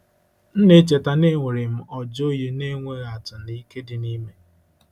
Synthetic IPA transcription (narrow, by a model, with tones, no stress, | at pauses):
n̩˦ne˦t͡ʃe˨ta˨ne˦ŋʷe˨ɾɪ˨m̩˦ɔ˨d͡ʒo˦je˦ne˦ŋʷe˦ɾa˨tʊ˨ni˦ke˦dɪ˨ni˦me˦